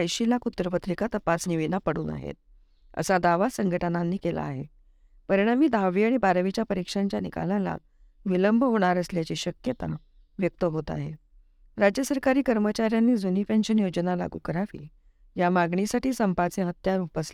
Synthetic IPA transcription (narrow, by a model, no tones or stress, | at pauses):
əjɕilakut̪ːɾəpət̪ʰɾikat̪əpasniʋinapəɽṵːna̰ɦḛt̪̚ | ə̰sad̪aʋasəŋɡʱəʈənanːiːkela̰ːɦe | pəɾiɽ̃amiːd̪ʱaʋiaɽ̃ibaɾʋit͡ɕjapəɾikʂaɲt͡ɕjanika̰lãla̰ | ʋiləmbʱɦoɽ̃aɾəsljat͡ɕiːɕəkjət̪a | ʋjək̚t̪əɦot̪a̰ɦḛ | ɾad͡ʑjəsəɾkaɾiːkəɾmət͡ɕaɾjanːiːd͡zuniːpeɲɕənjod͡ʑənala̰ɡṵkəɾaʋḭː | jamaɡɳisaʈiːsəmpat͡seɦət̪jaɾupəsla